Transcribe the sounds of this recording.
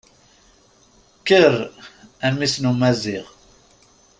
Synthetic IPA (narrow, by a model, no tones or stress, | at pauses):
kəɾænmisnumæziʁ